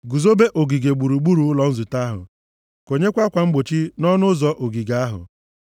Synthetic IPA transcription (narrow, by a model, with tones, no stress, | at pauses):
ɡu˨zo˦be˦ʔo˨ɡi˨ɡe˨ɡ͡bu˨ɾu˨ɡ͡bu˦ɾu˨˦lɔ˦n̩˦zu˨ta˦ɦʊ̰˨ | ko˨ɲe˦kʷa˦kʷa˨ŋ͡m̩˦ɡ͡bo˨t͡ʃi˦nɔ˦nʊ˦zɔ˨˦ʔo˨ɡi˨ɡa˦ɦʊ̰˨